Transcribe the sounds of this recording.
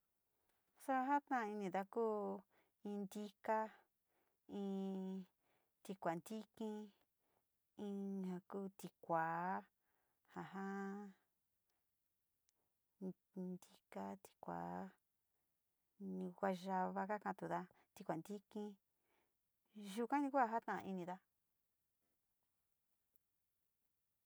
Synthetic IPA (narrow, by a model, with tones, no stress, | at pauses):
so˦a˦ɦa˦t̪ã˦˧i˧nĩ˧˨ða˧kuː˦ | ĩ˧nd̪i˦ka˦ | ĩ˧ | t̪i˧kʷa˨nd̪i˦kĩ˦ | ĩ˧hã˧kuː˦t̪i˧kʷaː˨˦ | ha˨ɦã˦ | n | nd̪i˦ka˦t̪i̥˧kʷa̰˨˦ | nĩ˧kʷa˧ʒa˧βa˧ka˦kã˧t̪u˨ða˧ | t̪i˧kʷa˨nd̪i˦kĩ˦ | ʒu˧kã˦nĩ˧kʷa˧ɦa˦t̪ã˦ʔi˧nĩ˧ða˦